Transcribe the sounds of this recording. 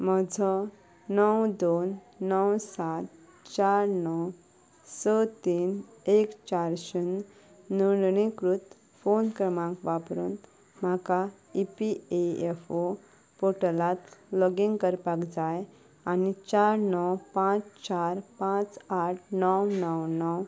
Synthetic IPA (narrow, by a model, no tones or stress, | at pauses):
mɔd͡zʱɔ | nəwd̪onː | əwsat̪ | t͡ɕaɾnɔw | sət̪iːnekt͡ɕaɾɕənː | uɳɳikɾut̪ | fonkɾəmãŋkʋapɾuːn | m̤aka | ipieefo | poʈəlat̪lɔɡiŋɡkəɾpakd͡zaj | anit͡ɕaɾnɔwpãt͡st͡ɕaɾpãt͡saʈ̚ʰnɔwnəwnɔw